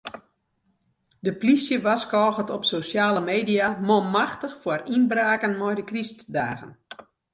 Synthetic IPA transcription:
dəplisjəʋaskɔːɣətɔpsosjaːləmeːdiamomaxtəxfwɔrinbraːkənmɔjdəkristdaːɣə̰n

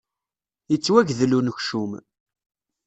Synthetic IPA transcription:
jət͡sːwæʝðlunəçʃum

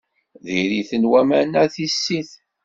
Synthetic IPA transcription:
ðiɾiθənwæmænæθisːiθ

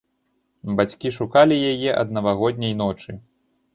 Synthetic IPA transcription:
bat͡sʲkʲiʂukalʲijajɛʔɐ̰d̪nɐvaɣɔd̪ʲnʲɐjn̪ɔt͡ʂɨ

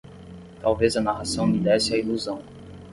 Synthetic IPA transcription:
t̪awvezɐnaʁasɐ̃w̃nid̪ɛsɪailuzɐ̃w̃

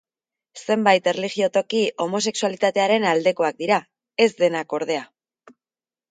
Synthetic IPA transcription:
se̞mbajt̪e̞reliɣio̞t̪o̞kiomo̞s̬e̞ksualit̪at̪eaɾe̞nald̪e̞ko̞ak̚d̪iɾa | e̞zd̪e̞nako̞ɾð̞e̞a

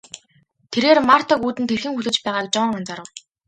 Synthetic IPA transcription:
t̪ʰeɾeːrmar̥t̪ə̆kuːt̪ɘ̆nt̪ʰerxɘ̆ŋxuɮɘ̆t͡ɕpæːʁaːk̚t͡ɕɔːɴant͡saɾə̆w

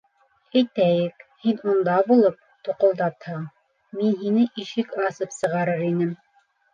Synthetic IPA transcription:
æjt̪æjɘkhinund̪ɑbulˠɤp̚t̪uqŏlˠd̪ɑt̪hɑ | minɦinɘʔiʃɘkɑsɤpsɤ̆ʁɑɾɤɾinɘm

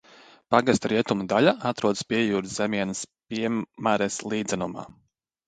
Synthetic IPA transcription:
paɡast̪ɾiɛt̪umud̪aʎaʔat̪ɾuɔd̪spiɛjuːɾzemiɛnəspʲiɛmmaɾɛslˠiːd̪zɛnuma̰ː

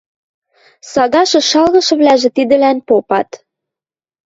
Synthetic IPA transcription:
sɑɣɑʃɤ̆ʃɑlɣɤ̆ʃɤ̆βlæʒĕt̪id̪ɘ̆lænpopɑt̪

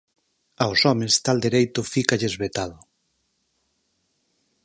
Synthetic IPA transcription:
aosɔmest̪ald̪eɾejt̪ʊfikaʎezβet̪aðʊ

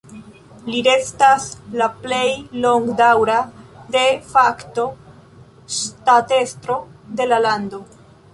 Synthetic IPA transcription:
liɾe̞staslaple̞jlo̞ŋɡdawɾade̞fakto̞ | state̞stɾo̞de̞lalando̞

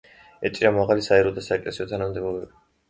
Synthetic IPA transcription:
ɛt͡ʃʼiɾamaʁalisaɛɾɔd̪asaɛkʼlɛsiɔt̪ʰanamd̪ɛbɔbɛbi

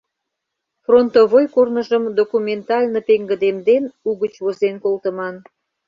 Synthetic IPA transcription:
front̪oβojkornəʒəmd̪okumʲent̪ɑlʲnopeŋɡə̆d̪emd̪enuɣət͡ɕβozenkolt̪əmɑn

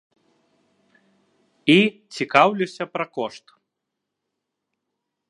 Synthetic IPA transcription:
it͡sʲikawlʲisʲɐpɾɐkɔʂt̪

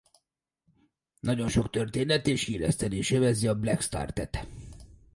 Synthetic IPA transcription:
nɒɟo̞nʃo̞kt̪ørt̪eːnɛt̪eːʃiːlɛ̰st̪ɛneːʃevɛziɒblɛkst̪a̰ːrt̪ɛt̪

